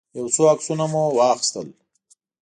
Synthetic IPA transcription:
jawt͡soaksunamuwɑxɪ̥st̪əl

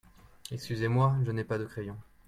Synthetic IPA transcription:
ɛkskʲyzemwaʒənɛpad̪əkχejɔ̃

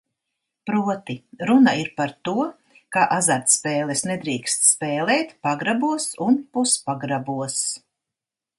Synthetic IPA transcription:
pɾuɔt̪iɾunaiɾpaɾt̪uɔ | kaʔazaɾt̪spɛːlˠɛsnɛd̪ɾiːkst̪spɛːlɛːt̪paɡɾabuɔsunpuspaɡɾabuɔs

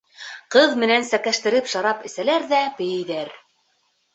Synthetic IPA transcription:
qɤðmɘ̆nænsækæʃt̪ɘ̆ɾɘpʃɑɾɑpɘ̆sælæɾðæpɘ̆jɘ̆jðæɾ

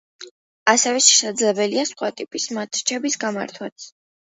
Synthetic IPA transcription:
asɛvɛʃɛ̥sad̪zlɛbɛliasχwat̪ʼipʼismat̪ʰt͡ʃʰɛbisɡama̰ɾt̪ʰwat̪sʰ

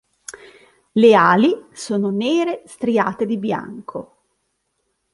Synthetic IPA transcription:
leaːlisoːnoneːɾest̪ɾia̰ːt̪ed̪ibja̰ŋkʰo

